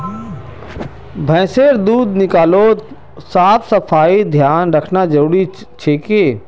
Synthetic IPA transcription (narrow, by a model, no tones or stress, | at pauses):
bʱɛ̃ːseːɾd̪uːd̪nɪkaːloːt̪ | saːpʰsəpʰaːid̪ʱjaːnɾəkʰnad͡ʒəʊɽi | t͡ʃʰeːkeː